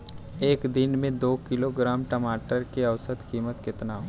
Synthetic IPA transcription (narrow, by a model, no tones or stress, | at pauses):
eːkd̪ɪnmẽd̪oːkɪloɡɾaːmʈəmaːʈəɾkiɐʋsət̪kiːmət̪kɪt̪naː